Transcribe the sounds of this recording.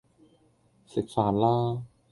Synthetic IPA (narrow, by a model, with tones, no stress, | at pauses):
si˨˩k̚saː˨˦nlaː˥˩